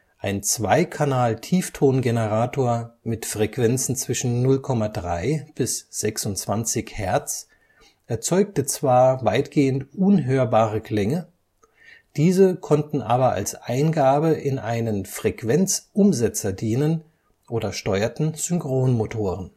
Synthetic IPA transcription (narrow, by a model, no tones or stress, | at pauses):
ʔaɪnt͡sv̥aɪkʰanaːltʰiːftʰoːnɡenəʁaːtʰoːɐmɪtfʁ̥ɛkv̥ɛnt͡sn̩t͡sv̥ɪʃn̩nʊlkʰɔmadʁaɪb̥ɪsz̥ɛksʊntt͡sv̥ant͡sɪçhɛɐt͡s | ʔɛɐt͡sɔʏk̚tət͡sv̥aːɐvaɪtɡ̥eːəntʔʊnɦøːɐbaːʁəkl̥ɛŋə | d̥iːzəkʰɔntn̩ʔaːbɐa̰lsʔaɪnɡaːbəʔɪnʔaɪnənfʁ̥ɛkv̥ɛnt͡sʔʊmzɛt͡sɐdiːnən | ʔoːdɐʃtɔʏɐtn̩z̥ʏŋkʁ̥oːnmotʰoːʁən